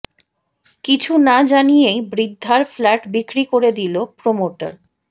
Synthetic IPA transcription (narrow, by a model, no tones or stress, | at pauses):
kit͡ɕʰunad͡ʑanijejbɾid̪ʱːaɾflɛʈbikɾikoɾed̪ilopɾomoʈa̰ɾ